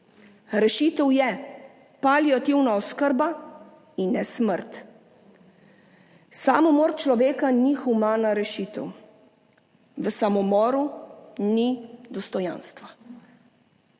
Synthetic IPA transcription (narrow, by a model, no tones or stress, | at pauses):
ɾɛʃit̪əwjɛ | paliɔt̪iwnaɔskəɾba | inːɛsməɾt̪ | samɔmɔːɾt͡ʃlɔʋeːkanixumaːnaɾɛʃit̪ɛ̰w | ʋəsamɔmɔːɾunid̪ɔst̪ɔja̰ːnst̪ʋa